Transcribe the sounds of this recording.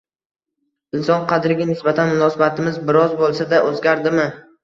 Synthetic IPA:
ɪnsɒnqʰɑd̪ɪɾɡʲanɪsbat̪ʰanmʊnɒsabat̪ʰɪmɪzbɪɾɒzbolˠsad̪aʔɵzɡʲaɾd̪ɪmɪ

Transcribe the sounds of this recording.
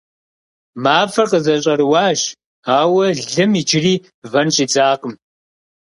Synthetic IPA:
maːfɐrqəzɐɕʼɐɾwaːʒ | aːwɐɮɨmit͡ʃʰɪriː | vɐnɕʼit͡sʼaːqəm

